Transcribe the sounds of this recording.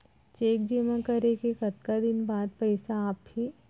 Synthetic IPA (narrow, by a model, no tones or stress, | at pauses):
t͡ʃeːk̚d͡ʒimãkɐɾekekɐt̪̚kad̪ɪnbaːd̪̚pɛɪsaaːphi